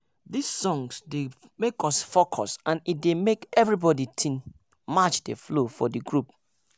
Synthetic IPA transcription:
disːɔ̃ŋsde | mekɔsfokʰɔsãnit̚demekɛvɹibɔditʰĩn | mat͡ʃdeflofɔ̰diɡɹup̚

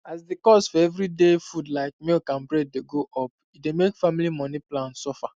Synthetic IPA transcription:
asdikɔsfɔɛvɾidefudlaɪk̚milkãnbɹed̚deɡoʔɔp̚ | idemekfamilimɔniplãnsɔfa

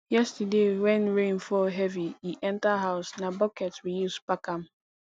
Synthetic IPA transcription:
jɛstadewɛ̃nɹẽnfɔɦɛviiʔɛ̃ntaɦaʊsnabɔkɛtwijuspakam̩

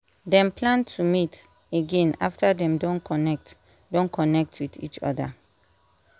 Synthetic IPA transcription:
dɛ̃mplãntʰumit | eɡɛ̃na̰ftʰadɛ̃mdɔ̃nkɔnɛk̚t | dɔ̃nkʰɔnɛk̚tʰwidḭt͡ʃɔ̰da̰

